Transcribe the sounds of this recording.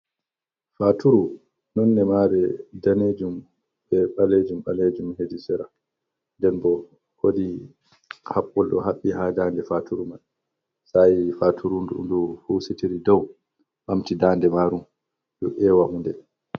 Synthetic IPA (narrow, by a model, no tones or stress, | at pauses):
fatʰuɾu | nɔnːɛmaːɾɛdaned͡ʒum | bɛɓaled͡ʒumɓaled͡ʒumhedisɛɾa | ndɛnbɔ | kodi | haɓːɔlɗɔ̰ɦaɓːihadandɛfatuɾuman | sajifatʰuɾundunduhowsetiɾidɔw | ɓamtidandɛmaɾum | ɗɔ̰ʔɛwaʔundɛ